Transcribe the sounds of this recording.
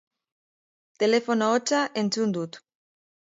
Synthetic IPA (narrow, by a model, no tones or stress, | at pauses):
t̪elefonoot͡ʃaʔent͡sund̪ut̪